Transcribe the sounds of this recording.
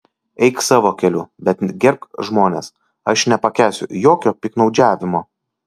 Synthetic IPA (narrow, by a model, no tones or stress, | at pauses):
ɛɪksɑːʋoːkʲɛlʲʊbʲɛt̪ɡʲɛɾkʒmoːnʲes | ɐʃnʲɛpɐkʲæːsʲʊ̰joːkʲoːpʲɪknɒʊd͡ʒʲæːʋʲɪmoː